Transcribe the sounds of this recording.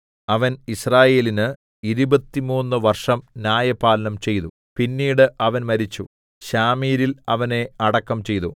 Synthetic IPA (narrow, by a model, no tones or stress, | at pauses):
ɐʋɐnisraːje̞ːlinɨ | iɾubɐt̪ːimuːnːɨʋɐrʂɐmnʲjaːjɐpaːlnɐmt͡ɕe̞jt̪u | pinːiːɽɨʔɐʋɐnmɐɾit͡ɕːu | ɕaːmiːɾilɐʋɐne̞ɐɽɐkːɐmt͡ɕe̞jt̪u